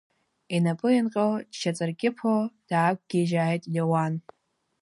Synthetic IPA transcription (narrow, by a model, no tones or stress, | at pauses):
inapʼɨinqʲʼaldt͡ʃʰat͡sʼɨrɡʲʼɪpʰold̥aːk̚ʷʰʼɡʲiʒaːjtʼdowan